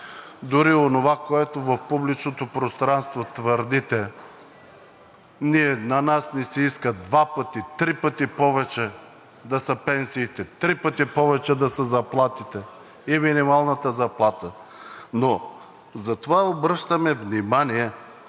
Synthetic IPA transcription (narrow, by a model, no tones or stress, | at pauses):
d̪ʊɾionovakoɛt̪ovɐfpublit͡ʃnot̪opɾost̪ɾanst̪vot̪vəɾd̪it̪ɛ | niɛnɐnasnɛsiiskəd̪vapət̪it̪ɾipət̪ipɔvɛt͡ʃɛ | d̪ɐsəpɛnsiːt̪ɛt̪ɾipət̪ipɔvɛt͡ʃɛd̪ɐsəzɐplˠat̪it̪ɛ | iminimalˠnət̪əzɐplˠat̪ə | no | zɐt̪ovaobɾɤʃt̪əmɛvnimaniɛ